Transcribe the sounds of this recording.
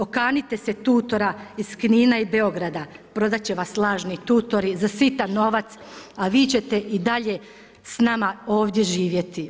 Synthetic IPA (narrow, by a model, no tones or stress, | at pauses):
o̞kaːnit̪e̞se̞t̪uːt̪o̞ɾaiskniːnaibe̞o̞ɡɾad̪apɾo̞d̪at͡ɕe̞ʋaslˠaːʒnit̪uːt̪o̞ɾizasʋit̪ano̞ʋat̪s | aʋiːt͡ɕe̞t̪e̞ʔid̪aʎe̞ | snamao̞ːʋd̪je̞ʒiːʋje̞t̪i